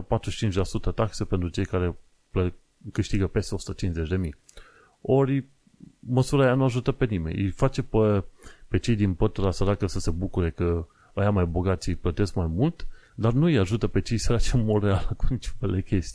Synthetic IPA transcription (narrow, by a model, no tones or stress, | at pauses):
pat̪ɾuʃt͡ʃint͡ʃʲlasut̪ət̪akse̞pe̞nt̪ɾut͡ʃe̞jkaɾe̞ | plə | kɨʃt̪iɡəpe̞st̪eo̞su̥t̪ət͡ʃinze̞t͡ʃʲd̪e̞mij | o̞ɾʲ | məsuɾaejanuaʒut̪əpe̞nime̞̰nʲijfat͡ʃe̞pəpe̞t͡ʃe̞jd̪inpət̪uɾasəɾakəsəse̞bukuɾe̞kə | əjamajboɡat̪sʲjijplət̪e̞skmajmult̪d̪arnuijaʒut̪əpe̞t͡ʃe̞jsəɾat͡ʃemorealəkunit͡ʃo̥felekʲe̞st̪i